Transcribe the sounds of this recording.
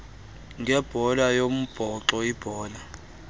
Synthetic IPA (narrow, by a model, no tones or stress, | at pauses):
ŋɡʱɛb̥ʱɔlajom̩b̥ʱɔǁɔib̥ʱɔːla